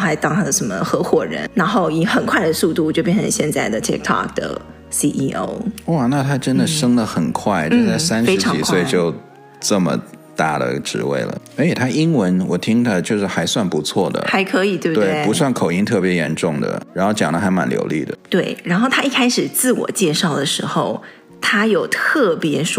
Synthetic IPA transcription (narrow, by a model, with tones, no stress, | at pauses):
xa˧˥ɪt̪ɑ˥ŋt̪ʰa˥d̪ə˨ʂə˧˥nmə˧xɤ˧˥xwɔ˨˩ɻə̰˧˥nɻa˧˥nxo˥˩ʊi˨˥xə˨˩nkʰwa˥ɪd̪ə˩su˥˧t̪u˥˧t͡ɕjo˥˧pjɛ˥˩n˩ʈ͡ʂʰə̰˧ŋɕjɛ˥˧nt͡sa˥˩ɪd̪ə˩t̪ʰḭ˥k̚t̪ʰɑ̰˥˩k̚d̪ə̰˩ | si˥ʔi˥ʔo̰˧˥ʊwɔ˥˩na˥˩t̪ʰa˥ʈ͡ʂə˥nd̪ə˨ʂɤ˥ŋdə˨xə˨˩nkʰwa˥˩ɪʈ͡ʂ̩˥˧˥t͡sa˥˩ɪsa˥nʂɻ̩ʰ˥˧ɑ˧˥i˨˩kswe˥˧ɪt͡ɕjo˥˧ʊ | ʈ͡ʂə˥˩mə̰˩t̪a˥˩d̪ə̰˩ʈ͡ʂɻ̩˧˥wḛ˥˩ɪlə̰˩e˥˩ɪt̪ʰa˥ʔi˥ŋwə˧˦˥nwɔ˨˩t̪ʰi˥ŋd̪ə˨t͡ɕjo˥˧ʊʂɻ̩˥˩xa˧˥ɪswa˥˩npu˧˥t͡sʰwɔ˥˩d̪ə̰˩xa˧˥ɪkʰɤ˧˥i˨˩t̪we˥˧t̪wtɪe˥˩pu˧˥swa˥˩nkʰo˨˩ʊi˥ŋt̪ʰɤ˥˩pjɛ˧˥jɛ̰˧˥nʈ͡ʂʊ˥˩ŋd̪ə̰˩ɻa˧˥nxo˥˩ʊt͡ɕjɑ̰˨˩ŋd̪ə˦xa˧˥ɪma̰˨˩nljo̰˧˥ʊlḭ˥˩d̪ə̰˩t̪we˥˩ɪɻa˧˥nxo˥˩ʊt̪ʰa˥i˥˩kʰa˥ɪʂɻ̩˨˩t͡sɹ̩˥˩wɔ̰˨˩t͡ɕjɛ˥˧ʂɑ˥˩ʊd̪ə˩ʂɻ̩˧˥xo˥˧ʊ | t̪ʰa˥jo˨˩ʊt̪ʰɤ˥˩pjɛ˧˥ʂ